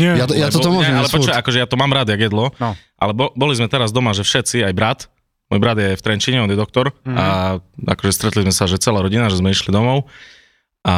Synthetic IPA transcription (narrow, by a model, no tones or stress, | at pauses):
ɛjajat̪ɔmɔɛalɛpɾɔt͡ʃɔakɔʒɛjat̪ɔmaːmɾad̪jaɡjɛd̪lɔ | ʔa̰lɛbɔbɔlizmɛt̪ɛɾazd̪ɔmaʒɛfʃɛt̪t͡siajbɾat̪ | mɔːjbɾad̪jɛft̪ɾɛnt͡ʃiɲɛɔd̪jɛd̪ɔk̚t̪ɔɾaa̰kɔʒɛst̪ɾɛt̪lizmɛsaʒɛt͡sɛlaːɾɔɟinaʒɛzmɛiʃlid̪ɔmɔʊ | ʔa